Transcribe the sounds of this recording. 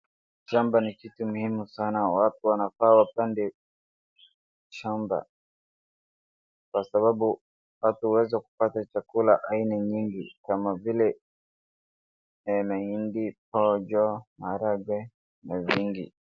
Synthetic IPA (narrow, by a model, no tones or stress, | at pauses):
ʃambanikitumuhimusanawatuwanafaːwapandɛ | ʃamba̰ | kwasaɓaɓu | watuwɛzaku̥patat͡ʃakulaʔainaɲiŋɡikamavilɛ | maindip̚ɔd͡ʒɔmaɾaɡwɛ | naviŋɡḭ